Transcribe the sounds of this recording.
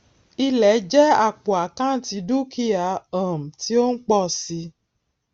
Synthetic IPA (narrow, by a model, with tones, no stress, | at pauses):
i˧lɛ˨˦d͡ʒɛ˦a˦˨k͡po˨a˨kã˦ti˨˧du˦kʰi˦a˨ə˨m̩˨ti˨˦o˦n̩˦k͡pɔ˦˨si˧